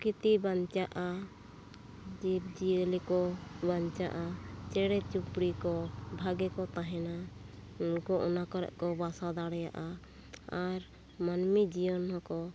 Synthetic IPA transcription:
kit̪ibaɲt͡ʃaʔa | d͡ʒip̚d͡ʒilikɔbaɲt͡ʃaʔat͡ʃɛɽɛt͡ʃupɾikɔbʱaɡɛkɔt̪aɦɛna | unkɔʔɔnakɔɾɛ̰ʔkɔbasad̪aɽɛja̰ʔa | aɾ | manmid͡ʒijɔnhɔkɔ

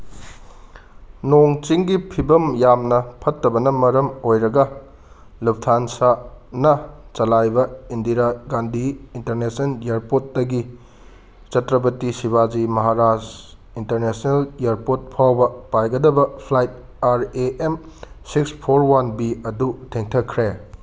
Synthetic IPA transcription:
noŋt͡ʃiŋɡipʰibɐmjamnɐpʰɐtːɐbɐnɐmɐɾɐmojɾɐɡɐ | lup̚tʰansanɐt͡ʃɐlajbɐindiɾaɡandʱiːnteɾnesɐnjaɾpot̚dɐɡi | t͡ʃɐtɾɐbɐtisiβad͡ʒimɐɦaɾad͡ʒ | intɐɾnesneljeɾpot̚pʰawbɐpajɡɐdɐbɐpʰlajt̚ | aɾeʔemsikspʰoɾwanbiɐdutʰeŋtʰɐkʰːɾe

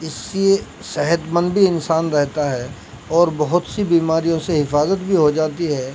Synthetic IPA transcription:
ɪsie | sɛɦət̪mə̃nd̪bʱiɪnsaːnɾɛɦt̪aɦɛː | ɔːɾbɐɦʊt̪sibiːmaːɾijõseɦɪfaːzət̪bʱiɦod͡ʒaːt̪iɦɛː

